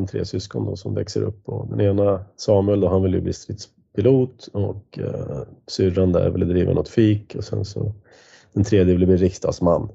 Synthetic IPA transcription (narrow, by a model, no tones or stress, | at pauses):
ɛnt̪ʰɾḛːsʏskɔnd̪ɔsɔmvɛksəɾɵ̰pːɔ̰d̪ɛneːnasɑːmɵɛld̪ɔɦanvɪljɵbliːst̪ɾiːt̪s | pʰɪluːt̪ɔk | sʏɾand̪əæ̰ɾvɪlɛd̪ɾiːvə̰nɔt̪fiːkʰɔsɛnsɔ̰ | d̪̥ɛnt̪ʰɾeːd̪jəvɪljb̪iːɾɪkst̪ɑ̰ːd̪smanː